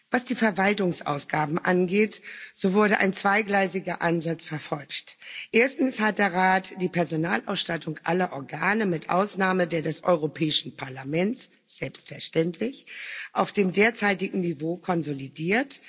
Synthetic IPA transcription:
vasd̥iːfɛɐvaltʊŋsʔa̰ʊsɡ̥aːbm̩ʔanɡeːtz̥oːvʊɐɾəʔa̰ɪnt͡sv̥aɪɡlaɪzɪɡɐʔanzat͡sfɛɐfɔlçtʔeːɐstn̩shat̚d̥eːɐʁaːtd̥iːpʰɛɐzonaːlʔaʊsʃtatʰʊŋʔa̰lɐʔɔɐɡaːnəmɪtʔa̰ʊsnaːmədeːɐdɛsʔɔ̰ʏʁopʰɛːɪʃn̩pʰaɐlamɛnt͡s | z̥ɛlpstfɛɐʃtɛntlɪçʔaʊfd̥eːmdeːɐt͡saɪtɪɡŋ̩nivoːkʰɔnzolidiːɐt

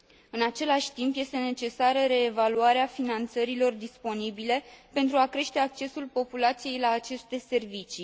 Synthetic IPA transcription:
ɨnat͡ʃe̞laʃʲt̪impje̞st̪e̞ne̞t͡ʃe̞saɾəɾe̞ːvaluaɾeafinant̪səɾilo̞rd̪ispo̞nibile̞pent̪ɾuakɾe̞ʃt̪e̞ak̚t͡ʃe̞sulpo̞pulat̪sije̞jlaːt͡ʃe̞st̪e̞se̞rvit͡ʃi

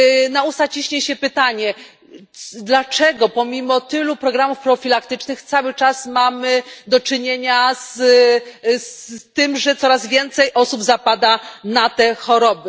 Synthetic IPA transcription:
naust̪at͡ɕiɕɲɛɕɛpɘt̪aɲɛ | d̪lat͡ʂɛɡɔpɔmʲimɔt̪ɘlupɾɔɡɾamufpɾɔfʲilak̚t̪ɘt͡ʂnɘxt̪sawɘt͡ʂasmamɘd̪ɔt͡ʂɘɲeɲas | st̪ɘmʐɛt̪sɔɾazvʲjɛnt̪sɛjʔɔsubzapad̪anat̪ɛxɔɾɔbɘ

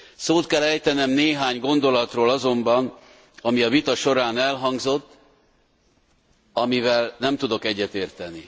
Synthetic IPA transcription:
soːt̪kɛlɛjt̪ɛnɛmneːɦaːɲɡo̞nd̪o̞lɒt̪roːlɒzo̞mbɒn | ɒmiɒvit̪ɒʃo̞ɾaːnɛlɦɒŋɡzo̞t̪ː | ɒmivɛlnɛmt̪ud̪o̞kɛɟːɛt̪eːrt̪ɛni

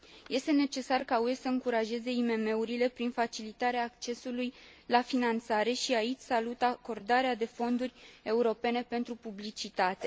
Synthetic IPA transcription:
je̞st̪e̞ne̞t͡ʃe̞sarkauesəɨŋkuɾaʒe̞ze̞ime̞me̞uɾile̞pɾinfat͡ʃilit̪aɾeaːk̚t͡ʃe̞suluj | lafinant̪saɾe̞ʃiait͡ʃʲsalut̪ako̞rd̪aɾead̪e̞fo̞nd̪urʲe̞uɾo̞pe̞ne̞pe̞nt̪ɾupublit͡ʃit̪at̪e̞

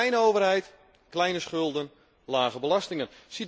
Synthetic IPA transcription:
jnəowvərɦɛjt | klɛjnəsχʏlˠdən | laːɣəbəlastɪŋənsi

